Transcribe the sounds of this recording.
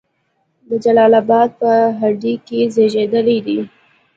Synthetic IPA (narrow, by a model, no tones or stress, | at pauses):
d̪əd͡ʒalɑlabɑd̪̚pəɦaɖikezeʒed̪əled̪i